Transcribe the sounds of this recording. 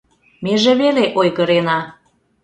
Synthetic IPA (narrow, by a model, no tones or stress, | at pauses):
meʒeβeleʔojɣə̆ɾenɑ